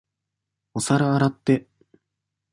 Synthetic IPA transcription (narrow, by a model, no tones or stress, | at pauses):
osaɾaːɾat̪ːe̞